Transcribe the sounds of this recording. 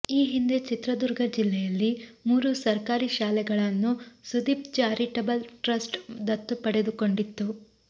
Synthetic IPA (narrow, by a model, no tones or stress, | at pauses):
iːɦind̪e̞t͡ʃit̪ɾɐd̪uɾɡʱɐd͡ʒilːɛjɐlːimuːɾusɐɾkaːɾiʃaːlɛɡɐɭɐnːusud̪ip̚t͡ʃaːɾiʈɐbɐlʈɾɐsʈd̪ɐt̪ːupɐɽe̞d̪uko̞ɳɖit̪ːu